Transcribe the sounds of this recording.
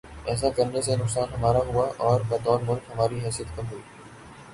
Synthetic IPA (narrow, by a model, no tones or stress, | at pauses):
ɛːs̬akɐɾnesenʊksaːnɦɐmaːɾaɦʊaʔɔːɾbɐt̪ɔːɾmʊlkɦɐmaːɾiɦɛːsijət̪̚kɐmɦuiː